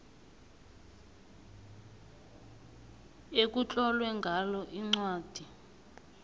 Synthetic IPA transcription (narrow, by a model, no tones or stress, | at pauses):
ek̬ut͡ɬʼɔlwɛŋɡʱalɔʔiŋ͡ǀwaːd̥ʱi